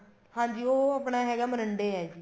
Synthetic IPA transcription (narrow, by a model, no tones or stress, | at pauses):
hãːɲd͡ʒiːoːapɳaːɦɛːɡɛːmənəɳɖeːɛːd͡ʒiː